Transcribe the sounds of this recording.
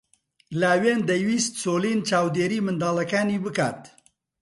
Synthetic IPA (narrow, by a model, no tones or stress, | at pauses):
laːweːnd̪ejwiːst̪soːliːnt͡ʃaːwd̪eːɾiːmɨnd̪aːlɐkaːniːbɨka̰ːt̪